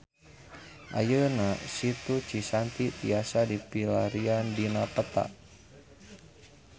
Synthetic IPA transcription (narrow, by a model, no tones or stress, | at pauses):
ʔa̰jənasit̪ut͡ʃisant̪it̪iasadipilaɾiandinapət̪a̰ʔ